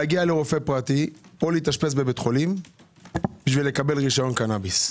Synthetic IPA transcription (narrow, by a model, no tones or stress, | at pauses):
aɡialeʁo̞fepʁat̪ioleit̪aʃpesbebet̪χo̞lim | b̥iʃvile̞kabe̞lʁiʃajo̞nkanabis